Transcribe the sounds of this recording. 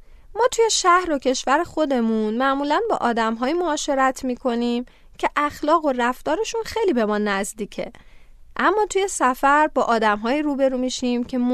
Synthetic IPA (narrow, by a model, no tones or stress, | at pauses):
mɒːt̪ʰuje̞ʃæhɾo̞cʰe̞ʃvæɾe̞xo̞d̪e̞munmæʔmuːlænbɒ̰ːʔɒːd̪æmɦɒːjimoːʃe̞ɾæt̪ʰmiːkʰo̞niːm | cʰe̞ʔæxlɒːɣo̞ræft̪ɒːɾe̞ʃunxejliːbe̞mɒːnæzd̪iːcʰe̞̰ | ʔæmːɒːt̪ʰuje̞sæfæɾbɒːʔɒːd̪æmɦɒːjiːɾuːbe̞ɾuːmiʃimcʰe̞